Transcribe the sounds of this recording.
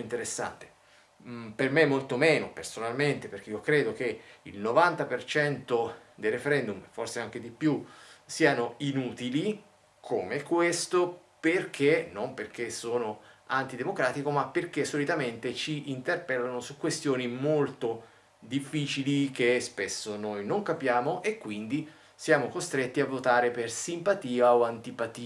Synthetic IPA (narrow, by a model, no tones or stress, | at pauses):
int̪eɾesːa̰nt̪e̥ | permemːolt̪omeːnopersonalment̪eperk̟eiokɾeːd̪okeḭlnovant̪apert͡ʃɛnt̪od̪ejrefeɾɛnd̪umforseaŋk̟ed̪ipjusiːanoinuːt̪ili | kʰoːmekwest̪o | perk̟ʰenomperk̟esoːnoant̪id̪emokɾaːt̪ikomapːerk̟esːolit̪ament̪et͡ʃiint̪erpɛlːanosukːwest̪joːnimolt̪o | d̪ifːiːt͡ʃilik̟espesːonojnoŋkapjaːmoʔekːwind̪i | sjaːmokost̪ɾet̪ːiavːot̪aːɾepersimpat̪iːaoant̪ipat̪iː